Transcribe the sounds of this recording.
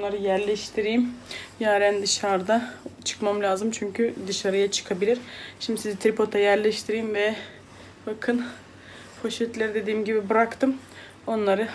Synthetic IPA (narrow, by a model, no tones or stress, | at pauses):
nˠaɾɯjæɾlʲɛʃt̪ʰiɾijimjaːɾænd̪ɯʃaɾd̪at͡ʃʰɯ̥kmamlʲaːzɯmt͡ʃʰyɲcʰyd̪ɯʃaɾɯjat͡ʃʰɯ̥kʰabilʲiɾʃimd̪isizit̪ɾipʰo̞t̪ʰajæɾlʲɛʃt̪ʰiɾijimvɛ | bakʰɯn | fo̞ʃɛt̪lʲæɾid̪e̞d̪iːmɟibibɯɾakt̪ɯm | o̞nlˠaɾɯ